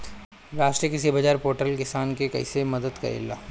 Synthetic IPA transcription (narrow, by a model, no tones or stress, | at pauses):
ɾaːsʃʈɾiəkɪsibɐd͡ʒaːɾpoːɾʈəlkɪsaːnkekɐ̰ɪsemɐd̪əd̪kɐ̰ɾḛːlːa̰ː